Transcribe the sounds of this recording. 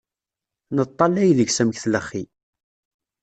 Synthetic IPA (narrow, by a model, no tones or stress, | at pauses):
nət̪ˤːɑlæjðəɡsæmçθləχːi